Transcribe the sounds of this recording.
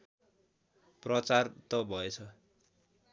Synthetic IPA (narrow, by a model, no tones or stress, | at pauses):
prʌt͡sart̪ʌbʱʌet͡sʰʌ